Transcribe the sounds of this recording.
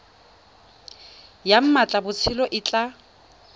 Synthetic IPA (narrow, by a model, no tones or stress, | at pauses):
jam̩mat͡ɬʼabʊt͡sʰɪlɔʔɪt͡ɬʼa